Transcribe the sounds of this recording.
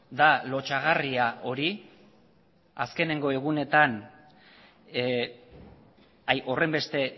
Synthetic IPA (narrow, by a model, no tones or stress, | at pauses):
d̪alo̞t͡ʃaɣariaʔo̞ɾi | aske̞ne̞ŋɡo̞e̞ɣ̞une̞t̪an | ajʔo̞re̞mbe̞st̪e̞